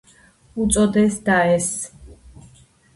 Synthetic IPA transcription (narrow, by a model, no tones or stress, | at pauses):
ut̪sʼɔd̪ɛsd̪aɛs